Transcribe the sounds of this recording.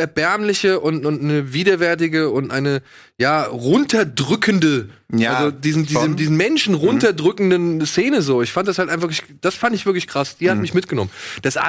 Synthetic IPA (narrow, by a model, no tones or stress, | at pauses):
ɛɐbɛɐmlɪçəʔʊntʊntnəviːdɐvɛɐt̬ɪɡəʊntʔa̰ɪnə | jaːʁʊntɐdʁʏkʰəndəʔalzodiːzn̩diːzdiːzn̩mɛnʃn̩ʁʊntɐdʁʏkn̩dənseːnəzoːɪçfantd̥ashaltʔaɪnv̥fɐklɪç | d̥asfandɪçv̥ɪɐklɪçkʁ̥asd̥iːhatmɪçmɪtɡ̥ənɔmənd̥asʔa̰